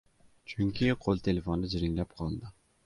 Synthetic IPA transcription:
t͡ʃʰyŋkʲʰiqʰolˠt̪ʰelefond̪ɪd͡ʒɪɾɪŋlæp̚qʰɑlˠd̪ɨ

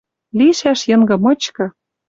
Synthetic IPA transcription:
liʃæʃjɤ̆ŋɡɤ̆mɤ̆t͡ɕkɤ̆

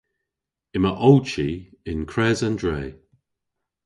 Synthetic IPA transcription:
ɪməʔɔlt͡ʃiɪnkʰɹɛːzandɹɛː

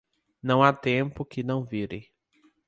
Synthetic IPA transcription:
nɐ̃w̃at̪ẽmpʊkɪnɐ̃w̃viɾḛ

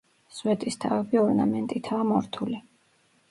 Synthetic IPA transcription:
swɛd̪ʼist̪ʰavɛbiɔɾna̰mɛnt̪ʼit̪ʰaːmɔɾt̪ʰuli

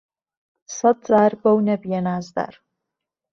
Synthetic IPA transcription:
sɐt͡sʼaːrbɐwnɛbjɛnaːzd̪a̰r

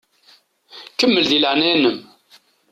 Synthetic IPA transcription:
kəmːəlðiləʕnænəm

